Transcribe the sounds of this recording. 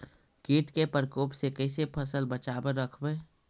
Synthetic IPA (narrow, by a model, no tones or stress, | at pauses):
kiːʈkepəɾkoːpsekəɪsepʰəsəlbət͡ʃaːbəɾəkʰbeː